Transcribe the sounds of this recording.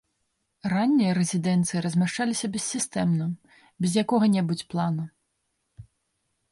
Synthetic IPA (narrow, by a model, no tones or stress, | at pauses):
ranʲːijɐɾɛzʲid̪ɛnt̪sɨjiɾɐzʲmʲaʂt͡ʂalʲisʲɐbʲɛsːʲist̪ɛmnɐ | bʲɛzʲjakɔɣɐnʲɛbut͡sʲplˠanu